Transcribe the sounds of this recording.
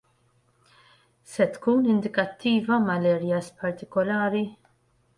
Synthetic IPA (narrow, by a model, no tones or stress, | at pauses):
sɛt̪kuːnɪnd̪ɪkɐt̪ʰːiːvɐmɐlɛɾjɐspɐɾt̪ɪkɔlɐːɾi